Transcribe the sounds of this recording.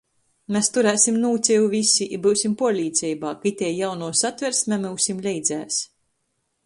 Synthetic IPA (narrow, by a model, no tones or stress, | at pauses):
mʲɛst̪uɾæːsʲimnuːt̪sʲɛjuvʲisʲiʔbɨwsʲimpuɔlʲiːt̪sʲɛjbaːkait̪ʲɛjjawnuɔsat̪vʲɛɾsmʲɛmɨwsʲimlʲɛjd̪zæːs